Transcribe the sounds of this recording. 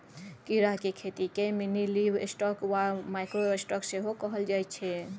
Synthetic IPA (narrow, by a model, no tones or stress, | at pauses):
kiɾaɦkekʰet̪ikeminilibḛsʈɔkwamajkɾoesʈɔkseɦokəɦəld͡ʒajt͡ʃʰɛ